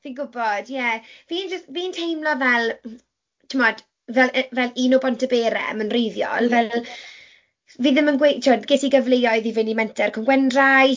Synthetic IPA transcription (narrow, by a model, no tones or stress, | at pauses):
θinɡʊbɔd̥jɛviːnd͡ʒəviːntʰejmlɔvɛlˠ | tʰɪmɔd̥ | vɛlʔvɛliːnobɔntʰəbeːɾɛ̰mənrejðjɔ̰lˠvɛlˠ | viːðɪmənɡwetʰɪdɡetʰiɡəvlejɔɨðivɪnimɛntʰɛrkʰəmɡwɛndraj